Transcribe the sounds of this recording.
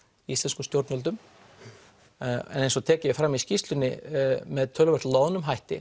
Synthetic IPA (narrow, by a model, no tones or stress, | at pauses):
iist̪ɛnskʏst̪jowɾt̪nœlt̪ʏm | ɛ̰nejnsɔt̪ʰɛːcɪjɛfɾamiscist̪lʏnːɪmɛðt̪ʰœlɛrt̪loːwnʏmɦajht̪ɪ̰